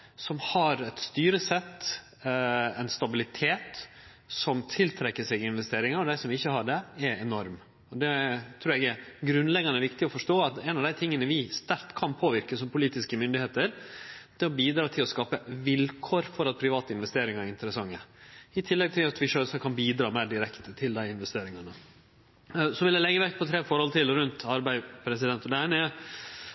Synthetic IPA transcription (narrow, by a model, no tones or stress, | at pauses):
sɔmhɑɾɛt̪st̪yːɾəsɛt̪ː | ɛnst̪ɑbɪlɪt̪ʰeːt̪ | sɔmt̪ʰɪlt̪ʰɾɛkːəsɛɡɪɪnʋɛst̪eːɾɪŋɑɾɔd̪æɪsɔmʋɪçːəhɑɖɛɛɾɛnɔɾm | ɔd̪ɛt̪ʰɾʉːɾɛɡɛɾɡɾʉnlɛɡɑnəɛɾʋɪkt̪ɪɔfɔʂʈoːɑt̪ɛnɑʋd̪æɪt̪ʰɪŋːənəʋɪst̪æɾt̪kʰɑnpʰoːʋɪɾkəsɔmpʰʊliːt̪ɪskəmʏnd̪ɪheːt̪əɾd̪̥ɛɔbiːd̪ɾɑːt̪ʰɪlɔskɑːpəʋɪlkʰoːɾfɔɾɑt̪̚pʰɾɪʋɑːt̪əɪnʋɛst̪eːɾɪŋɑɾɪnt̪əɾəsɑŋːəɪt̪ʰɪlːɛɡ̚t̪ʰɪlɑt̪ʋɪʂøːsɑkʰɑnbiːd̪ɾɑːmæːɖɪɾɛkt̪ət̪ʰɪld̪æɪɪnʋɛst̪eːɾɪŋɑnə | sɔʋɪlɛlɛɡːəʋɛkt̪pʰɔt̪ʰɾeːfɔɾhɔlt̪ʰɪlɾʉnt̪ɑɾbæɪpʰɾɛsɪd̪ɛnt̪ɔd̪ɛɛnɛ